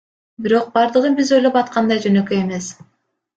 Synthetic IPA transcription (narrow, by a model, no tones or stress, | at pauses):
biɾo̞q̚bɑɾd̪ɯʁɯbizo̞jlˠopɑt̪̚qʰɑnd̪ɑjd͡ʒønøkøe̞me̞s